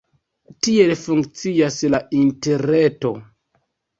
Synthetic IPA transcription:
tie̞lfuŋkt͡sijaslainte̞ɾeto̞̰

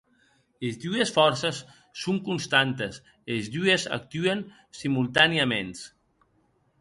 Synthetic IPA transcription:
ezd̪uesfɔɾsesː | uŋkunst̪ant̪es | ezðueza̰k̚t̪yen | simulˠt̪aniamens

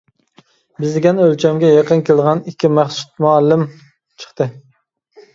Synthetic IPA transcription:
bɪzd̪ɪɡʲɛnølt͡ʃʰɛmɡʲɛjeqənkʲʰelˠʁɑnikʲʰːimæχsu̥t̪̚muɑlːɪm | t͡ʃʰə̥χt̪ɨ

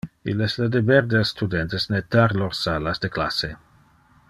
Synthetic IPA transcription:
ilɛslad̪ebɛɾd̪elsːt̪ʰud̪ɛnt̪esnet̪aɾloɾsalasd̪eklase

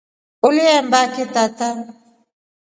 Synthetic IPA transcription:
ʊlɪɛmbakit̪at̪a

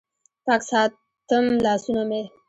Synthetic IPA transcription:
paːksɑː | t̪əmlɑːsunome

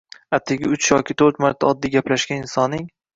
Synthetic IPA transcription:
at̪ʰːɪɡʲɪʊt͡ʃʰjɒkʲʰɪt̪ʰɵɾt̪maɾt̪ʰaɒd̪ːiɡʲaplaʃɡʲanɪnsɒnːɪŋ

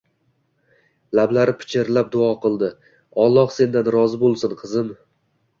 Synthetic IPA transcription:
lablaɾɪpʰɪ̥t͡ʃʰɪɾlap̚d̪ʊɒqɨlˠd̪ɪ | ɒlˠːɒχse̞nd̪anɾɒzɪbolˠsɪnqʰɨzɪn

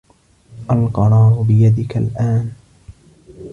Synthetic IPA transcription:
ʔalqɑɾˤɑːɾʊbɪjad̪ɪkalʔaːn

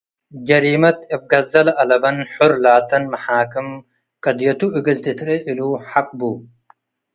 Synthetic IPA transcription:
ɡɐɾiːmɐt̪ɐb̚ɡɐzɐlɐlɐbɐnħʊɾlaːt̪ɐnmɐħaːkɨm | kɐd̪ijɐt̪uʔiɡɐlt̪it̪ʰɾeʔiluːħaq̚bu

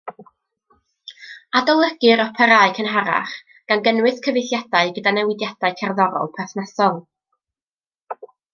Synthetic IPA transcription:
adɔlˠəɡ̥ɨɾɔpʰɛɾaɨkʰənɦaɾa̰χ | ɡ̥anɡənwɨskʰəvɨjθjadaɨɡədanɛwɪdjad̥aɨkʰɛrðɔɾɔ̰lˠpʰaθnasɔlˠ

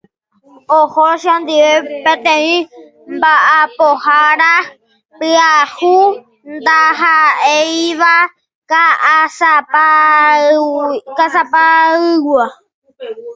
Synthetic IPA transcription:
ohoʃãnd̪iʋepẽt̪ẽĩ | mbaʔapohaɾa | pɨahu | nd̪aɦaejʋa | kaasapa | kasapaɨwa

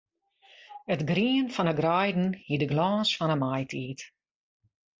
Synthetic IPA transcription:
ətɡriənfɔnəɡrajdn̩hidəɡlɔːsfɔnəmajtʰiːt

